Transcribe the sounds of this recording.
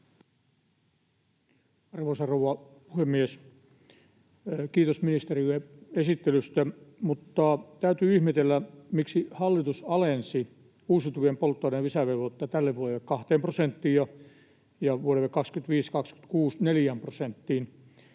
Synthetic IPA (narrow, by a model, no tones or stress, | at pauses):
ɑrʋoisɑrowʋɑpuhemːies | kiːt̪osminist̪erilːeesit̪ːelyst̪æmut̪ːɑt̪æyt̪yːihmet̪elːæmiksihɑlːit̪usɑlensi | uːsit̪uʋiempolt̪ːoːneʋisæʋeʋot̪ːɑt̪ælːeʋuolːekɑht̪eːmprosent̪ːiːjjɑ | jɑʋuoleʋːekːɑkskyt̪ʋiːskɑksky̥t̪kuːsneljæmprosent̪ːiːn